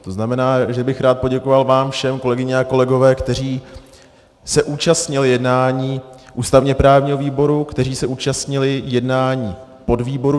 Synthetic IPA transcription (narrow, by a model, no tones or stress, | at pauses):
t̪o̞znamɛnaːʒɛbɪxɾaːt̪̚po̞ɟɛko̞valvaːmfʃɛmko̞lɛɡɪɲɛako̞lɛɡo̞vɛːkt̪ɛr̝iː | sɛʔuːt͡ʃast̪ɲɪlɪjɛdnaːɲiː | ʔuːst̪avɲɛpɾaːvɲiːɦo̞viːbo̞ɾukt̪ɛɾiːsɛʔuːt͡ʃast̪ɲɪlɪjɛdnaːɲiː | po̞dviːbo̞ɾu